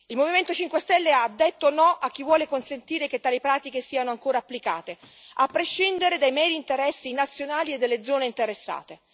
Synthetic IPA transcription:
ilmoviment̪ot͡ʃiŋkwest̪ɛlːead̪ːet̪ːonɔʔak̟ːivwɔːlekonsent̪iːɾeket̪ːaːlipɾaːt̪ikesiːanoaŋkoːɾaapːlika̰ːt̪e | apːɾeʃːind̪eɾed̪ajmɛːɾiːnt̪eɾɛsːinat̪sːjonaːlied̪ːelːed̪zːɔːneint̪eɾesːa̰ːt̪e

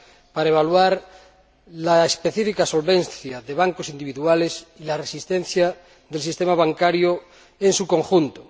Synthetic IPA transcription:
paɾaeβ̞alwaɾ | laespeθifikasolβenθjaðeβ̞aŋkosind̪iβiðualesilaresist̪ẽn̟θja | ðelsist̪emaβaŋkaɾjo | ensuko̞ŋxunt̪o

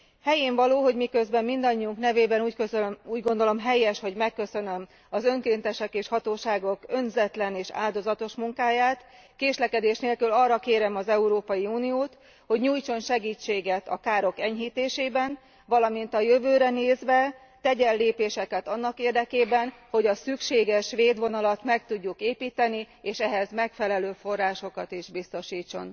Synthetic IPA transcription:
hɛjeːɱvɒloːɦo̞ɟmikø̞zbɛmːind̪ɒɲːiuŋknɛveːbɛnuːckøuːɟɡo̞nd̪o̞lo̞mɦɛjːɛʃho̞ɟmɛkːøsø̞nø̞m | ɒzø̞ŋkeːnt̪ɛʃɛkeːʃhɒt̪oːʃaːɡo̞kønzɛt̪lɛneːʃa̰ːld̪o̞zɒt̪o̞ʃmuŋkaːjaːt̪ | keːʃlɛkɛd̪eːʃneːlkylɒrːɒkeːɾɛmɒzɛuɾoːpɒjiuːnijoːt̪ | ho̞ɟɲuːjt͡ʃo̞nʃɛɡiːt͡ʃːeːɡɛt̪ɒ̰kaːɾo̞kɛɲɦiːt̪eːʃeːbɛn | vɒlɒmint̪ɒjøvøːɾɛneːzʋɛ | t̪ɛɟɛlːeːpeːʃɛkɛt̪ɒnːɒkeːrd̪ɛkeːbɛnho̞ɟɒsykʃeːɡɛʃʋeːd̪ʋo̞nɒlɒt̪mɛk̚t̪uɟːukeːpiːt̪ɛni | eːʃɛɦɛzmɛkfɛlɛløːfo̞rːaːʃo̞kɒt̪iʒbist̪o̞ʃiːt͡ʃːo̞̰n

